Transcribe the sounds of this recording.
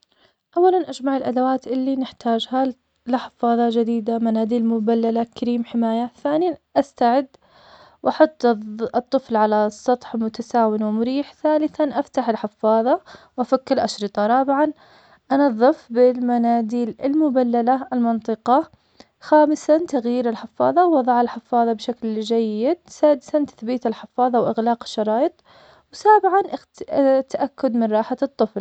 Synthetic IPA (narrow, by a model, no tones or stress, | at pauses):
ʔawːalanʔad͡ʒmaʕɪlʔad̪awaːt̪ʔɪlːinɪħt̪aːd͡ʒha | lɪħɪ̥fːɑːðˤɑd͡ʒad̪iːd̪amanaːd̪iːlmʊbalːalakaɾiːmħɪmaːjaθaːnijaʔast̪aʕɪd̪ | wʔɑħʊt̪ˤːt̪ˤːɨflʕalasˤːɑt̪ˤħmʊt̪asaːwɪnwɪmʊɾiːħθaːlɪθanʔaft̪aħɪlħɪfːɑːðˤɑwʔafakːɪlʔaʃɾɨt̪ˤɑɾˤɑːbɪʕan | ʔanɑðˤːɨfbɪlmanaːd̪iːlɪlmʊbalːalaɪlmɑnt̪ˤɨqɑ | xaːmɪsant̪aɣjiːɾɪlħɪfːɑːðˤɑwwɑðˤɑʕɪlħɪfːɑːðˤɑbʃakld͡ʒajːɪd̪̚saːd̪ɪsant̪ḁθbiːt̪ɪlħɪfːɑːðˤɑwʔɪɣlɑːqɪ̥ʃːɑɾˤɑːjɨt̪ˤ | wsaːbɪʕanʔ | t̪aʔakːʊd̪mɪnɾˤɑːħat̪ˤːɨfl